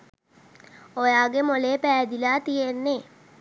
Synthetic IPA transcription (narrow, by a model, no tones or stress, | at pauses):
ojaːɡemoleːpæːd̪ilaːt̪ijenːe